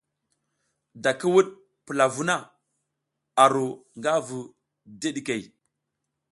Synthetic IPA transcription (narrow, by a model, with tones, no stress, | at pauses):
da˨ki˦wu˦ɗ̚ | pə˨la˨vu˦na˦˨ | a˨ɾo˨ŋɡa˦vu˨ | de˦ɗi˨ke˨j